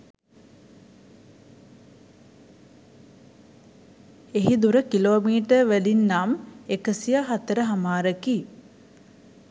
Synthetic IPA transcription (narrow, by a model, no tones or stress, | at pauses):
eɦid̪uɾəkiloːmiːʈəʋelinːamekəsijaɦat̪əɾəɦamaːɾəki